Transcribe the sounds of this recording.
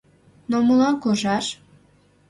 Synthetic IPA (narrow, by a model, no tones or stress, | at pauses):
noməlɑnkoʒɑʃ